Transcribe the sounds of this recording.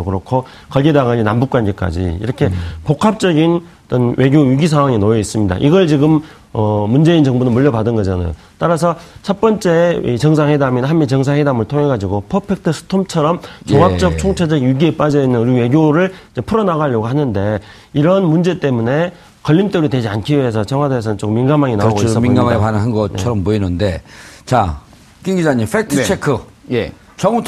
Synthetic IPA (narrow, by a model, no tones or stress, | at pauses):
okɯɾokʰo | kʌɭɡedaɡaɲinambuk͈wanɡek͈a̰d͡ʑḭḭɾʌkʰe̞pokʰap̚t͡ɕ͈ʌɡin | t͈ʌnwʔe̞ɡjojɥiɡisʰaŋwaŋinoeis͈ɯmɲida̰ʔiɡʌɭt͡ɕiɡɯm | ʌmund͡ʑe̞int͡ɕʌŋbunɯnmuʎːʌbadɯnɡʌd͡ʑana̰jo̰ | t͈aɾasʰʌt͡ɕʰʌt̚p͈ʌnt͡ɕ͈e̞it͡ɕʌŋs̬ʰaŋwedaminɦanmit͡ɕʌŋs̬ʰaŋhwedamɯɭtʰoŋe̞ɡad͡ʑiɡopʰʌpʰek̚tʰɯsʰɯ̥tʰomt͡ɕʰʌɾʌmt͡ɕoŋɦak̚t͡ɕ͈ʌk̚t͡ɕʰoŋt͡ɕʰad͡ʑʌɡjuɡiep͈ad͡ʑʌinːɯnɯɾiwe̞ɡjoɾɯɭid͡ʑe̞pʰɯɾʌnaɡɦaʎːʌɡoɦanɯnde̞ | iɾʌnmund͡ʑe̞t͈e̞mune̞ | kʌʎːimt͈eɾidwe̞d͡ʑiankʰies̬ʰʌt͡ɕʌŋɦwadeːs̬ʰʌnɯnt͡ɕokɯmːinɡamaŋinaoɡominɡaaipanɯnɦanɡʌt͡ɕʰʌɾʌmpoinɯnde̞t͡ɕa | kiŋɡid͡ʑaɲimfʰetʰɯt͡ɕʰekʰɯ | je | t͡ɕʌŋu